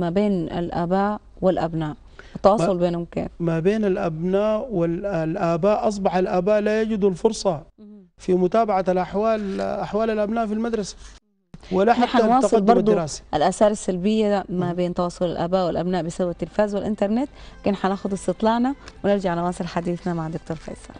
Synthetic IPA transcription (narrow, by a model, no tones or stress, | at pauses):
mabeːna̰lʔa̰ːbaː | wɪlʔabnaːʔ | wɪt̪ːɑwɑːsˤʊlbeːnʊmkḛːkmabeːnalʔabnaːʔwɪllʔaːbaːʔʔɑs̬ˤbɑħalʔaːbaːʔlaːjad͡ʒɪd̪alfʊɾˤsˤɑ | fimʊt̪aːbaʕalʔaħwaːlaħwaːlalʔabnaːʔfilmad̪ɾˤɑsḁ | wɪlːaħaħanwɑːɑˤɨlbɑmɾd̪ˤuɾaːsi̥ʔalʔasaːɾˤasːalbɪjːamabeːnt̪ɑwɑːsˤʊlɪ̰lʔa̰ːbaːʔwɪlʔabnaːʔbɪsabat̪ːɪlfaːzwɪlʔɪnt̪ɑɾˤnet̪kɪnħanaːxʊd̪ɪst̪ɨt̪ˤlɑːʕnawɪnɪɾd͡ʒaʕalʊwɑːsˤɨlħad̪iːθnamaʕd̪ʊk̚t̪oːɾfɑ̰jsɑ̰ɾ